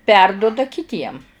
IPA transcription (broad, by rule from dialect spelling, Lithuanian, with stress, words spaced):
ˈpʲɛrdʊdɐ kʲɪˈtʲiɛm